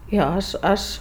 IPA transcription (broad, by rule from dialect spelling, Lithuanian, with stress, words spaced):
ˈjoː ˈɐʃ ˈɐʃ